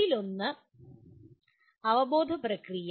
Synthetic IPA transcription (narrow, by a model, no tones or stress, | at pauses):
ilo̞nːɨ | ɐʋɐbo̞ːd̪ʱɐprɐkrij